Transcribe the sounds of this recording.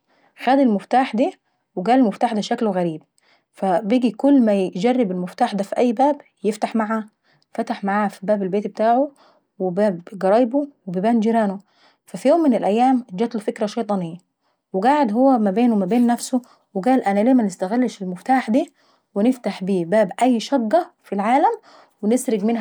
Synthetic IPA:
xæːd̪ilmʊft̪aːħd̪iː | weɡæːlelmʊft̪aːħd̪æʃæklɣæɾiːb̚ | fæbiːɡikʊlːmæd͡ʒærːɪbelmʊft̪aːħd̪æːfiʔæjːbæːb | jeft̪aħmaʕa | fæt̪aħmaʕaːfibæːbelbeːt̪bet̪aːʕo | webæːbɡɑɾˤɑːjbowebibæːnd͡ʒiɾæːno | fæfijoːmːɪnelʔæjːæːmd͡ʒæːt̪lufɪkɾæʃɑjt̪ˤɑnɪjːæ | weɡaːʕed̪ɦowːæmæbeːnwmæbeːnːæfsʊ | weɡæːlʔænæleːmænɪst̪æɣalːʃɪlmʊft̪aːħd̪iː | wɪnɪft̪aħbiːbæːbʔæjːʃɑɡːæfilʕaːlæm | wɪnɪsɾɪɡmɪnɦ

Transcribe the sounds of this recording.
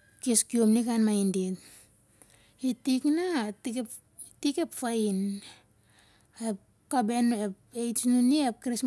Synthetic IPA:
keskiomnikanmajndit | itiknatike | tikepfain | ep | kabenepejsnuniep̚kɾes

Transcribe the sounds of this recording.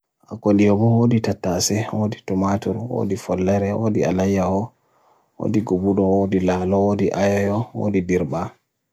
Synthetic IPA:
ʔa̰kondijɔbɔwoːditatːasɛwoːditɔmatuɾwo̰ːdifɔlːɛɾɛwo̰ːdialajːahɔ | wo̰ːdiɡubudɔwodilaːlɔwodiʔajɔjɔwo̰ːdidiɾba

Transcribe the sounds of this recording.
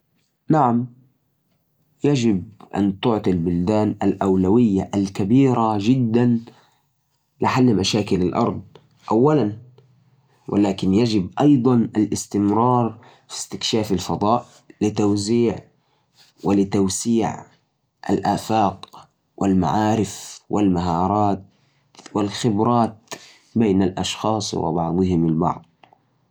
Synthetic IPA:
naʕam | jad͡ʒɪb̚ʔa̰nt̪ʊʕt̪ˤilbʊld̪aːnʔalʔawlawɪjːaʔalkabiːɾaʒɪd̪ːan | lɪħalːmaʃaːkɪlalʔɑ̰ɾˤd̪̚ˤ | ʔawːalan | wʔɪ̰laːkɪnjad͡ʒɪbʔɑjd̪ˤɑnalʔɪst̪ɪmɾɑːɾˤ | fi̥st̪ɪkʃaːfɪlfɑd̪ˤɑːʔ | lɪt̪awziːʕ | wɪlɪt̪awsiːʕ | ʔa̰lʔaːfaːq | wʔɪlma̰ʕaːɾɪfwɪlmaɦɑːɾˤɑːt̪ | wɪlxɪbɾˤɑːt̪̚ | beːnalʔɑ̰ʃxɑːsˤwɪ̰bɑʕd̪ˤɨhɪmɪlbɑ̰ʕd̪ˤ

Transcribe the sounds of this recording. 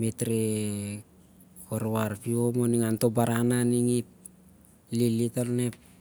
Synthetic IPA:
metɾe | koɾβaɾpiomoniŋanto̞baɾananiŋip̚ | lilitolnep̚

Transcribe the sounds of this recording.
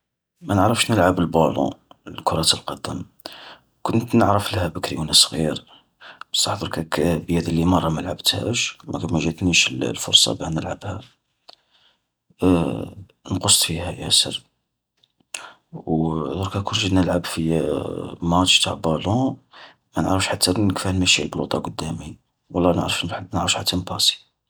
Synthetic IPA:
mænəʕɾəfʃnəlʕabəlbɑlɔ̰lkʊɾˤɑt̪əlqɑd̪əm | kʊnt̪nəʕɾəfləhæbəkɾjunəsˤɣḭɾ | bəsːɑħd̪ˤəɾkækbjæd̪əlːimɑrˤːɑməlʕabt̪hæ̰ʃmæ̰kæmæʒət̪niʃəllfʊ̰ɾˤsˤɑ̰bænəlʕabhæ | nqosˤt̪fihæjæ̰sə̰ɾ | wd̪uɾkækʊɾˤʒənəlʕəbfi | mɑt̪ʃt̪aʕbɑlu | mænəʕɾəfʃħat̪ʰːænəkfæhnmæʃilblut̪ˤɑɡʊd̪ːæmi | wɑlˤːɑnə̰ʕɾəfnəʕɾəfʃħat̪ːænbɑsi̥

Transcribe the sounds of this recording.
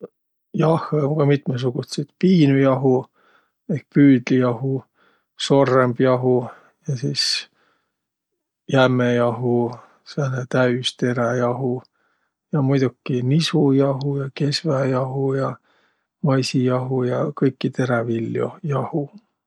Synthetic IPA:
jɑhoŋɡ̥ɑmit̪mes̬uɡ̥ut̪sit̪piːnujɑɦu | ek̚pyːd̪̥lijɑhu | so̞rːemb̥jɑɦu | jɑsiːs | jæmejɑɦu | senet̪æyst̪e̞ɾejɑɦu | jɑmujd̪̥ukːinisujɑɦujɑke̞svæjɑɦujɑ | mɑjsijɑɦujɑkɤjkːit̪e̞ɾevilːjo̰jɑhu

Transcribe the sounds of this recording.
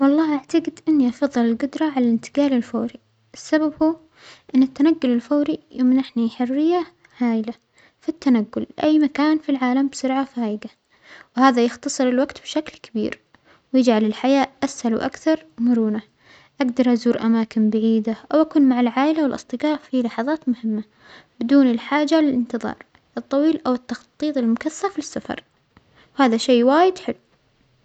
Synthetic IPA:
wɑlˤːɑːʔaʕt̪aɡɪd̪ʔɪnːiʔɑfɑðˤːɨlɪlɡʊd̪ɾˤɑʕalalɪnt̪ɪ̥ɡaːlɪlfoːɾi | ʔɪsːababhuː | ʔɪnːɪt̪ːanaɡːʊlɪlfoːɾijomɪnʔɪħniħʊrːɪjːa | ʕaːjɪla | fit̪ːanaɡːʊlʔajːmakaːnfilʕaːlambsʊɾʕafaːʔɪɡa | whaːðajɪxt̪ɑsˤɨɾɪlwaɡt̪bʃaklkabḭːɾ | wjɪd͡ʒʕalɪlħajaːʔʔashalṵʔa̰kθɑɾˤmʊɾuːna | ʔaɡd̪ɑɾˤʔazuːɾʔamaːkɪnbaʕiːd̪aʔawʔakuːnmaʕalʕaːʔɪlawɪlʔɨ̰sˤt̪ˤɨqɑːʔfilɑħɑðˤɑːt̪mʊhɪmːa | bɪd̪uːnɪlħaːd͡ʒalɪlʔɪnt̪ɨðˤɑ̰ːɾˤ | ʔɨt̪ˤːɑwiːlʔawɪt̪ːɑxt̪ˤːiːt̪ˤɪlmʊkaθːafisːafɑ̰ɾˤ | whaːðaʃeːwaːjɪd̪ħɪlːu

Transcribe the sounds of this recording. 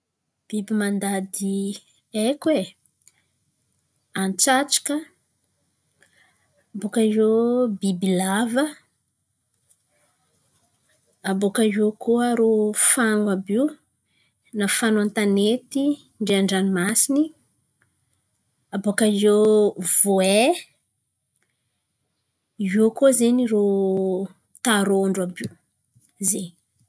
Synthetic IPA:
b̥ibimand̪ad̪i | ekwe | ant͡saʈ͡ʂḁkə | abokajobibilavə | abokaokuaɾofaŋɡwabiw | nafanant̪anet̪i | ɳɖ͡ʐeaɳɖ͡ʐanimasini | abokazov̥oe | okozeniɾo | t̪aɾoɳɖ͡ʐuabiw | ze

